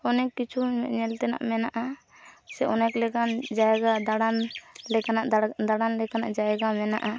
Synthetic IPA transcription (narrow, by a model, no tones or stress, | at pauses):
ɔnɛkːit͡ʃʰuɲɛlt̪ɛna̰ʔmɛnaʔa | sɛʔɔnɛklɛkand͡ʒajɡad̪aɽanlɛkanaʔd̪aɽanlɛkanaʔd͡ʒajɡamɛna̰ʔa